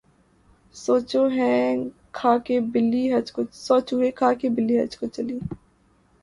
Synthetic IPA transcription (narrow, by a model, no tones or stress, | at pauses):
soːt͡ʃoɦɛ̃ | kʰaːkebɪlːiːɦɐd͡ʒkosoːt͡ʃuɦẽkʰaːkebɪlːiːɦɐ̰d͡ʒkot͡ʃɐliː